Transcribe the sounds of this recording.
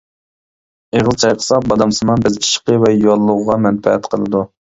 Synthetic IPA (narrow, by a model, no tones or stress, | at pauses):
eʁəzt͡ʃʰɑjqʰə̥sɑbɑd̪ɑmsɨmɑnbɪzʰʲi̥ʃə̥qəvɛjolˠːʊʁʁɑmɛnpɛɛ̰t̪qʰəlˠɨ̰d̪u